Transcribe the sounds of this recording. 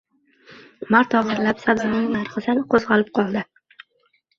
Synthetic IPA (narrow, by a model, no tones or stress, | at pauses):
maɾt̪ɒʁɨɾlapsabzɪnɪŋnaɾχɨsɪnqʰozʁɑlɪp̚qʰɒlˠd̪ɪ